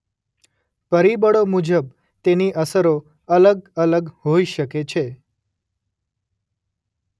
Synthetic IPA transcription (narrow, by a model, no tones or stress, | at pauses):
pəɾibəɽomud͡ʒəb̚ | t̪eniʔəsəɾo | ələɡələɡɦoiʃəket͡ʃʰe